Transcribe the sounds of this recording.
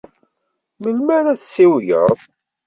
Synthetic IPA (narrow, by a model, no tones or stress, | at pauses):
məlmæɾæθsiwjə̰ðˤ